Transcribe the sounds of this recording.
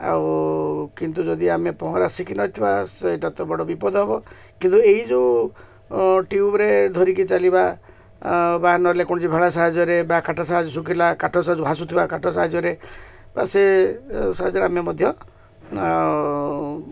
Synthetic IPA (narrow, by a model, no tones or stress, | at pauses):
a̰wkint̪ud͡ʒɔd̪iamepɔɦɔɾasikʰinɔjt̪ʰibaseʈat̪ɔbɔɽɔbipɔd̪ʱɔɦɔbɔ | kint̪ueɦid͡ʒu | ʈiubɾed̪ʱɔɾikit͡ʃaliba | baɦanɔlekɔɽ̃ɔt͡ʃibʱeɭas̬aɦad͡ʒɔɾebakaʈasaɦad͡ʒɔsukilakaʈʰɔsaɦad͡ʒɔbʱas̬ut̪ʰibakaʈʰɔsaɦad͡ʒɔɾe | ba̰sesaɦad͡ʒɔɾeamjɔmɔd̪ʱjɔ